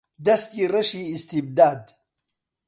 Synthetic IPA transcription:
d̪ɐst̪iɾəʂiːst̪ib̚d̪aːd̪

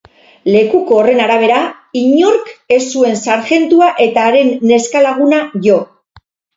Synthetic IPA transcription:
le̞kuko̞ːre̞naɾaβ̞e̞ɾa | iɲo̞ɾke̞sːue̞nsaɾxe̞nt̪uaʔe̞t̪aːɾe̞nːe̞skalaɣ̞unaʝo̞

